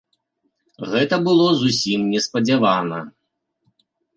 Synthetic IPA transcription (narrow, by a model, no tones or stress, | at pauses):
ɣɛt̪ɐbɨlˠɔzusʲimnʲɛspɐd͡zʲavanɐ̰